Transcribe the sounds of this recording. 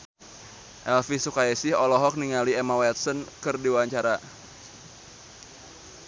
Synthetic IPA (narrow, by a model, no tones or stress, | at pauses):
ʔɛlfisukaɛsɪhɔlɔɦɔk̚niŋaliɛmawɛt̪̚sɔnkɨrdiwaɲt͡ʃaɾa